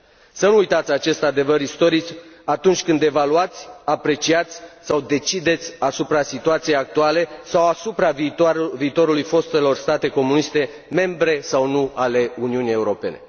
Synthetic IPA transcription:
sənuːjt̪at̪sʲat͡ʃe̞st̪ad̪e̞vəɾist̪o̞ɾit͡ʃʲat̪unt͡ʃʲkɨnd̪e̞valuat̪sʲapɾe̞t͡ʃiat̪sʲsawd̪e̞t͡ʃid̪e̞t̪sʲasupɾasit̪uat̪sijejak̚t̪uale̞sawasupɾaviːt̪o̞ɾulujfo̞st̪e̞lo̞rst̪at̪e̞ko̞munist̪e̞ | me̞mbɾe̞sawnuale̞uniunije̞uɾo̞pe̞ne̞̰

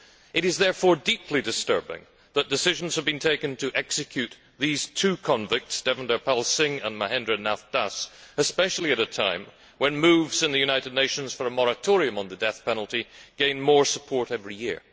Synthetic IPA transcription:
ʔɨɾɨzðɛɹfɔɹdipʰlidɨstɜ̰˞bɪ̰̃ŋ | ðət̚d̥ɨsɪʒ̃n̩z̥əvbɨ̃ntʰeɪkɨ̃ntʰɨʔɛksɨkʰjʉt̪̚ | ðiz̥tʰʉkʰɑ̃ɱvɪk̚tsd̥ɛvə̃ndə˞pʰɛlˠsɪ̃ŋə̃nməhɛ̃ndɹɨnæθd̥asɨspɛʃl̩ˠiɨɾɨtʰã̰ɪ̃m | wə̃nmʉvz̥ɨ̃nðɨjʉnaɪɾɨdⁿneɪʃɨ̃n̩z̥fə˞əmɔɹɨtʰɔɹiɨ̃mə̃nðɨdɛθpʰɛnl̩ˠtiɡ̥ẽɪ̃nmɔɹsə̥pʰɔɹɾɛvɹijɪ̰ɹ

